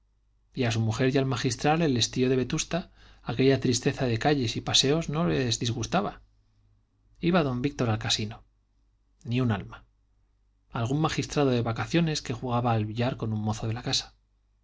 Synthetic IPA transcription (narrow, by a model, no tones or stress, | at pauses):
ias̬umuxe̞ɾjalmaxist̪ɾale̞le̞st̪io̞ð̞ee̞t̪ust̪aː | ke̞ʎat̪ɾist̪e̞θaðe̞kaʎe̞sipase̞o̞zno̞lezðizɣust̪aβa | iβaðo̞mbik̚t̪o̞ɾalkasino̞ | niuna̰lma | alɣ̞ummaxist̪ɾað̞o̞ðe̞βakaθjo̞ne̞ske̞xuɣaβaːlβiʎaɾko̞numːo̞θo̞ð̞e̞lakasḁ